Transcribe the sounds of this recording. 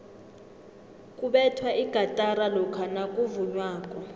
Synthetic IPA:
kʼuɓɛtʰwaʔiɡ̥ʱatʼaɾalɔkʰanakʼuvuɲwaːkʼɔ

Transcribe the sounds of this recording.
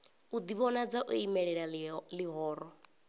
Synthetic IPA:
ud̪iβɔnad͡zaʔoimɛɺɛɺaliɦɔːɾɔ

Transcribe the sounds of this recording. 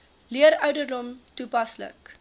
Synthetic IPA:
liəɾœɥdərdɔmtupɐslə̰k

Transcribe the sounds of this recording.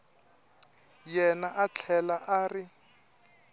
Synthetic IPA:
jɛnaʔat͡ɬʰɛlaʔaːrɪ

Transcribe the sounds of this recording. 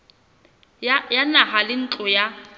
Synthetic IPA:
janahalɪn̩t͡ɬʼɔja

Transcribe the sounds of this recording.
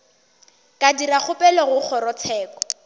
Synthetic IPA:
kʼadirak͡xʰʊpʼɛlɔɣʊk͡xʰɔɾɔt͡sʰɛːkɔ̥

